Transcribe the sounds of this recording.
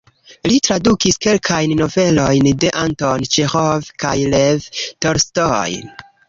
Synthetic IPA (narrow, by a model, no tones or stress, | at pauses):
litɾadukiske̞lkʰajnːo̞ve̞lo̞jnde̞ʔantont͡ʃexovka̰jlevtoɾstoj